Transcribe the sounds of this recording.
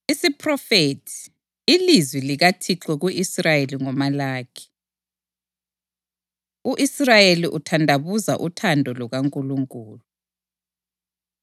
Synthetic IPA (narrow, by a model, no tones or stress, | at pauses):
isipʰrɔfetʰi̥ː | lizwiliɣatʰiǁwɛɣuisrajeliŋɔmalaːkʰi̥ | uʔisrajeliʔutʰandʱaβuza̰ʔutʰandʱɔlɔɣaŋkʼuluŋkʼuːlu